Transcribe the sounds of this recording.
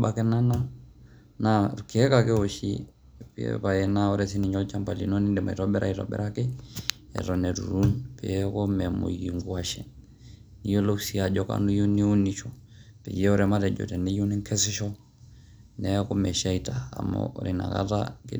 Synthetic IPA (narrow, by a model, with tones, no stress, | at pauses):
ɓa˨kɛ˦na˦na˦ | naki˨ɛ˦kakɛ˦ɔ˨ʃḭ˦ | pḭɛ̰pa˨ɛna˦ɔ˦ɾɛsi˦ni˨ɲɔ˦lt͡ʃa˦mpa˨lḭ˨nɔ˦ni˦ndɛ˨ma̰˨i˨ɾɔɓɛ˦ɾʔaitɔ̰˨ɓɛ̰ɾa˦kɛ˦ | ɛ̰˨ɾɔnɛ˨tṵ˨ɾu˦npɛ̰˨ɛkɔ˦mɛmo̰˨ji˨ŋɡua˨ʃɛ | ni˦jɔ˦lo˦ksi˦a˨d͡ʒɔka̰˨nu˦ju˦ni˦u˦ni˨t͡ʃɔ˨ | pɛ˨jɛ˦ɔ˦ɾɛma˦ɾɛ˨d͡ʒɔ̰˨tɛ˨ni˦ju˦ni˦ŋkʰɛ˦sɛ˦ʃɔ˦ | nɛko˦mɛ˨ʃa˦i˨ta̰ː˨mɔ̰˨ɾi˨na̰˨ka̰taki˦